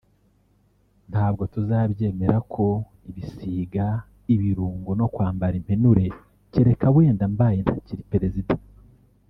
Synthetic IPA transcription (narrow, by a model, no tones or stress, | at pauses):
nhaːb̚ɡo̞tuzaːβje̞ːme̞ɾakʰo̞ | iβisiːɡa | iβiɾuːŋɡono̞kwaːmbaɾim̥penuɾe̞ | ceɾe̞kaβwe̞ːndambaːjenthaciɾipe̞ɾe̞zidḁ